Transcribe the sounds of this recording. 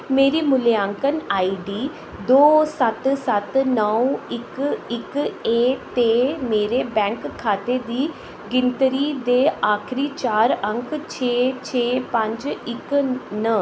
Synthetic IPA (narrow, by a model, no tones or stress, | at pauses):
meːɾiːmʊljãːŋkənaːiːɖiː | d̪oːsət̪sət̪nəũɪkɪkeːt̪eːmeːɾeːbɛ̃ːŋkʰːaːt̪eːd̪iː | ɡɪnt̪ɾiːd̪eːaːkʰɾiːt͡ʃaːɾə̃ŋkt͡ʃʰeːt͡ʃʰeːpə̃ɲd͡ʒɪknə